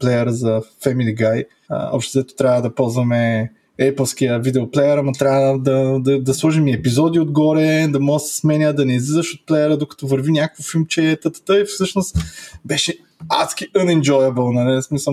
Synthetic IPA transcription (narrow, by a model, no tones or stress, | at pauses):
plɛjəɾəzɐfɛmiliɡaj̰ | ɔ̰pʃt̪ɛzɛt̪ʊ̥t̪ɾʲavɐd̪ɐpɔlˠzvɐmɛ | ɛpəlˠskiəvid̪ɛoplɛjəɾɐmɐt̪ɾʲavəd̪ɐd̪ɐd̪ɐslˠɔʒɛmiɛpizɔd̪iod̪ɡɔɾɛd̪ɐmɔɡəsɐ̥smɛnʲəd̪ɐnɛizlizəʃot̪̚plɛjəɾəd̪okɐ̥t̪ɔvəɾvinʲakoəfilmt͡ʃɛt̪ət̪ə̥t̪əifsɤʃnost̪bɛʃɛ | askʲiʔənɛnd͡ʒɔjɐbəlˠnɐlɛsmisə